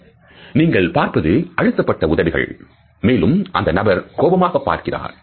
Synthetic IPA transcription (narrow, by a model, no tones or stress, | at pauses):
niːŋɡɐɭpaːɾpɐðɯɐɻɯt̪ːɐpːɐʈːɐʊðɐʋɪɣɐ̰ɭ | meːlɯmʔɐnd̪ɐnɐbɐɾkoːbɐmaːɣɐpːa̰ːɾkɪra̰ːɾ